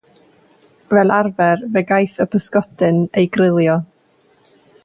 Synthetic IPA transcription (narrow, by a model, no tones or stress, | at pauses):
vɛlˠarvɛrvɛɡajθəpʰəskɔdɨnejɡrɪlˠjɔ